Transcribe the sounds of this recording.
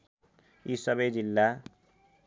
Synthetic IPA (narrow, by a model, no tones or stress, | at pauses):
isʌbʌjd͡zilːa